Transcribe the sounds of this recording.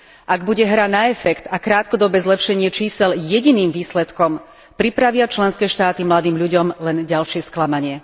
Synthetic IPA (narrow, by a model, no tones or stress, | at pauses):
ʔaɡbuɟɛɦɾanaɛfɛkt̪akɾaːt̪kɔd̪ɔbɛːzlɛpʃɛɲɪɛt͡ʃiːsɛljɛɟiniːmʋiːslɛt̪kɔm | pɾipɾaʋɪat͡ʃlɛnskɛːʃt̪aːt̪imlad̪iːmʎuɟɔmlɛnɟalʃɪɛsklamaɲɪɛ